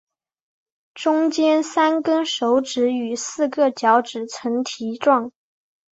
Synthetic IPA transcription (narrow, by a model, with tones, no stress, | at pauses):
ʈ͡ʂʊ˥ŋt͡ɕjɛ˥nsa˥nkə˥nʂo˧˥ʊʈ͡ʂɻ̩˧˥y˨˩sɹ̩˥˧kɤ˥˩t͡ɕjɑ˧˥ʊʈ͡ʂɻ̩˨˩t͡sʰə˧˥ŋt̪ʰi˧˥ʈ͡ʂwɑ˥˩ŋ